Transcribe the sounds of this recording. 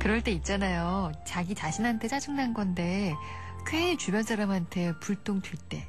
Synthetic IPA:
kɯɾʌɭt͈e̞it̚t͡ɕ͈anajot͡ɕaɡit͡ɕaɕʰinɦantʰe̞t͡ɕad͡ʑɯŋnanɡʌnde̞ | keit͡ɕubjʌns͈aɾamɦantʰe̞puɭt͈oŋdɥit͈e̞̰

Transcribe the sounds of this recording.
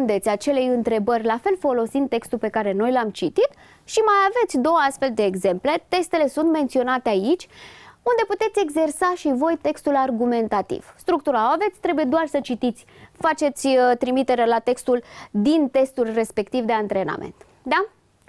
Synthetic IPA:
nd̪e̞t̪sʲat͡ʃe̞le̞jɨnt̪ɾe̞bərʲlafe̞lfo̞lo̞sint̪e̞kst̪ulpe̞kaɾe̞no̞jlamt͡ʃit̪it̪ | ʃimajave̞t̪sʲd̪o̞wəast̪fe̞ld̪e̞ːɡze̞mple̞t̪e̞st̪e̞le̞sunt̪me̞nt̪sio̞nat̪eait͡ʃʲund̪e̞put̪e̞t̪sʲe̞ɡze̞rsaʃivo̞jt̪e̞kst̪ularɡume̞nt̪at̪ḭv̥st̪ɾuk̚t̪uɾaave̞t̪sʲt̪ɾe̞buje̞d̪oarsət͡ʃit̪it̪sʲfat͡ʃe̞t̪sʲt̪ɾimit̪e̞ɾelat̪e̞kst̪uld̪int̪e̞st̪ulre̞spe̞kt̪ivd̪e̞ant̪ɾe̞na̰mʔḛnt̪ | d̪a

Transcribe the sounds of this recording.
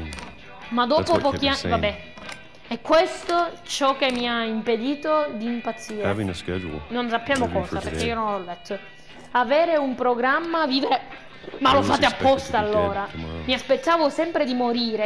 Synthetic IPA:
mad̪ːɔːpopɔk̟iavabːɛ | ɛkːwest̪ot͡ʃɔk̟ːemːiaimped̪iːt̪od̪iːmpat̪siːɾe | nonsapːjaːmokɔːsaperkːeiːononɔlːɛt̪ʰːo | aveːɾeumpɾoɡɾamːaviːveɾe | malofaːt̪eapːɔst̪aːlːoːɾamiaspet̪ːaːvosɛmpɾed̪imoɾiːɾe

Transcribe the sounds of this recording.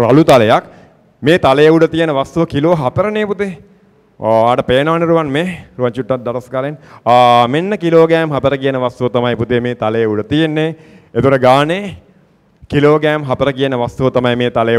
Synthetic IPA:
ɾalut̪aləjak | meːt̪alejəuɖət̪ijənəʋast̪uʋəkiloːɦɐpəɾəneːput̪eː | aːʈəpeːnɐaneɾuʋanmeːruʋaɲt͡ʃuʈːat̪̚d̪aʈɐskaːlenː | menːəkiloːɡæːmɦɐpəɾəkijənəʋast̪uʋət̪amajput̪emeːt̪aləjəuɖət̪ijenːe | et̪ukoʈəɡaːne | kiloːɡæːmɦɐpəɾəkijənəʋast̪uʋət̪amajmeːt̪aləj

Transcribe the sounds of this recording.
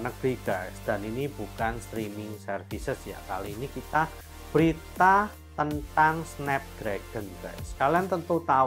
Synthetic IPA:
nəɡɾiɡ̥asd̪̥a̤ninibukanst̪ɾimɪŋsərfisəsja̰kaliːnikit̪a | b̥əɾit̪a | t̪ənt̪aŋsnɛp̚d̪̥ɾɛɡ̥ənb̥ɛsə̥kaliant̪ənt̪ut̪a

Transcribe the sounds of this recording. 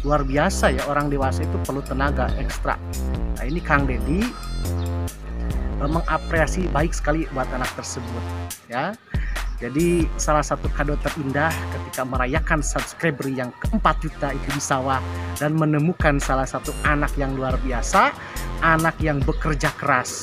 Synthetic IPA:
luarbiasajaoɾaŋdewasait̪upərlut̪ənaɡa̰ʔɛ̰kst̪ɾa̰ | na̰inikaŋdedi | əməŋʔapɾeasibaɪksə̥kalibuat̪anak̚t̪ərsəbʊt̪̚ | ja | d͡ʒadisalahsat̪ukadɔt̪ərindahkət̪ikaməɾajakansat̪skɾebɾijaŋkəəmpat̪̚d͡ʒut̪ait̪ubisawadanmənəmukansalahsat̪uʔanakjaŋluarbiasaː | nakjaŋbəkərd͡ʒakəɾas

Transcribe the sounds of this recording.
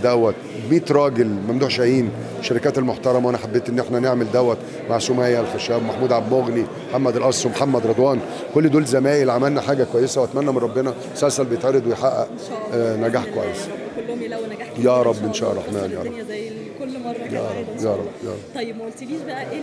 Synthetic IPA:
d̪æwːæt̪ | bmiːt̪ɾˤɑːɡelmæmd̪uːʕʃæjiːn | ʃeɾekæːt̪elmoħt̪ɑɾˤɑmæwænæħabːeːt̪ʔenːʔeħnæneʕmeld̪æwːæt̪ | maʕsomæjːælxæʃæːbmaħmuːd̪ʕabmoɣnimħamːæd̪ælʔɑɾsˤomħamːæd̪ɾˤɑd̪ˤwɑːn | kolːd̪oːlzæmæːʔelʕamælnæħaːɡækwæjːesæwʔæt̪mænːæmenɾˤɑbːenɑ | sælsælbejet̪ʕeɾed̪wejħaʔːæ̰ʔ | næɡaːħkwæjːes | jæːɾˤɑbːʔenʃæ̰ːʔɑlˤːɑ̰ːħmæːnjæ̰ɾˤɑb | jæ̰ːɾˤɑbjæːɾˤɑbːjæ̰ɾˤɑb

